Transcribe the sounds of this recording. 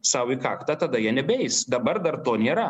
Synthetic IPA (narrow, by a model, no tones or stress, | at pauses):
sɑʊikɑːkt̪ɐt̪ɐd̪ɐjiɛnʲɛbʲɛɪsd̪ɐbɐrd̪ɐrt̪oːnʲeːɾɐ